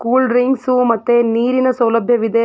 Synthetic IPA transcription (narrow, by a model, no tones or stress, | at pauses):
kuːlɾiŋɡsumɐt̪ːeniːɾinɐsɐwlɐbʱjɐʋid̪e